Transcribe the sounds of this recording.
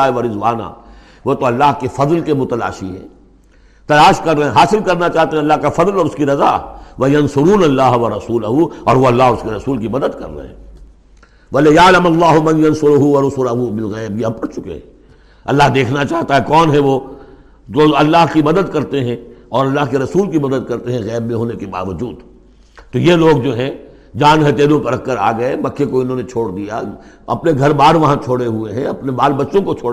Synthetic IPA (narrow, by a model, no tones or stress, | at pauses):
aːeʋɐɾɪzʋa̰ːna̰ | ʋoːt̪oɐlːaːɦkefɐzlkemʊt̪ɐla̰ːʃiɦɛ̰ː | t̪ɐlaːʃkɐɾːɐẽɦaːsɪlkɐɾnat͡ʃaːɦt̪ẽɦɛ̃ɐlːaɦkafɐzlɔːɾʊskiɾɐza̰ːʋɐjɐnsʊɾuːnɐlːaːɦʋɐɾɐsuːlɐɦuɔ̰ːɾʋoɐlːaːɦʊskeɾɐsuːlkimɐd̪əd̪kɐ̰ɾːɐ̰ɦḛ̃ | ʋɐlɪjaːlɐmɐlːaːɦʊmɐ̃njɐnsʊɾʊɦuʋɐɾʊsʊlɐɦubɪlɣɛːbjeɐb̚pɐɽt͡ʃʊkḛɦɛ̃ | ɐ̰lːaɦd̪eːkʰnat͡ʃaːɦt̪aɦɛkɔːnɦɛʋo | d͡ʒoɐlːaɦkimɐd̪əd̪kɐɾt̪eɦɛ̃ɔːɾɐlːaːɦkeɾɐsuːlkimɐd̪əd̪̚kɐɾt̪eɦɛ̃ɣɛːbmẽɦoːnekeba̰ːʋəd͡ʒuːd̪ | t̪ojeloːɡd͡ʒoːɦɛ̃ | d͡ʒaːnɦɛ̃t̪eːɾõpɐɾɐkːəɾa̰ːɡɐemɐkʰːekoɪnɦõːnet͡ʃʰoːɽd̪ija̰ | ɐ̰pneɡʱɐɾbaːɾʋɐɦãt͡ʃʰoːɽeɦueɦɛ̃ɐpnebaːlbɐtːʃõkot͡ʃʰoːɽ